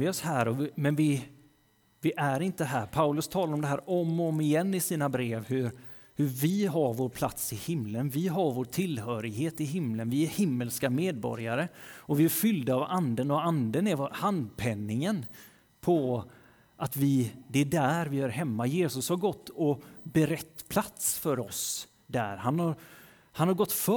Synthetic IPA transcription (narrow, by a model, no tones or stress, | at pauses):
vɪɔshæːɾɔmɛnvɪ | vɪʔæɾɪnt̪əɦæːɾpʰaʉlɵst̪ʰɑːlaɾɔmd̪ɛɦæːɾʔɔmɔmːɪjɛnːɪsiːnabɾeːvhɵɾ | hɵvɪɦaɾvoːɾpʰlat̪sɪhɪmlənvɪɦaɾvoːʈʰɪlhœːɾɪɡheːt̪ɪɦɪmlənvɪæɾhɪmːəlskameːd̪̚bɔ̰ɾjaɾəɔvɪæɾfʏld̪aːvand̪ənɔand̪ənɛɾvhand̪̚pʰɛnːɪŋən | pʰɔ | ʔat̪vɪd̪ɛæɖæɾvɪæɾɦɛmːajeːsɵshaɾɡɔt̪ːɔbɛɾɛt̪ːpʰlat̪sfœɾɔs | d̪æ̰ɾɦanhaɾ | hanhaɾɡɔt̪ːf